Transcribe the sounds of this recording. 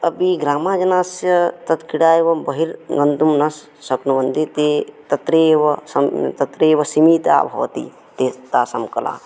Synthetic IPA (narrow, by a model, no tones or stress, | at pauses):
ɐbiɡɾaːmaːd͡ʒɐnaːsjɐt̪ɐt̪kiɽaːeʋɐbɐɦiɾɡɐnd̪umnɐsː | ɐpnɐʋɐnd̪it̪et̪ɐt̪ɾeːʋɐsɐt̪ɐt̪ɾeːʋɐsimiːt̪a̰ːbʱɐ̰wɐ̰t̪ḭ | t̪eːt̪aːsɐmkɐla̰ː